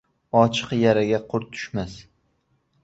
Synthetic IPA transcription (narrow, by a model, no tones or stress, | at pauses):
ɒt͡ʃʰɨ̥qjaɾaɡʲaqʰʊɾt̪ʰʊ̥ʃmas